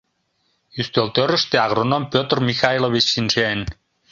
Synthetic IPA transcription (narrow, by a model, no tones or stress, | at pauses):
yst̪ølt̪øɾə̆ʃt̪eɑɣɾonompøt̪rmixɑilˠoβit͡ɕsinʃen